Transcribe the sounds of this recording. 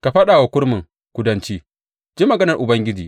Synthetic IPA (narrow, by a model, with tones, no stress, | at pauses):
ka˨ɸɐ˦ɗaː˨wa˦kʷʊ˦ɽmɪ˨ŋ | kʷʊ˦dɐ˦nt͡ʃiː˦ | d͡ʒi˦mːɐ˨ɡɐ˦nɐ˨rʔʊ˨bɐ˦ŋɡʲɪ˦d͡ʒiː˨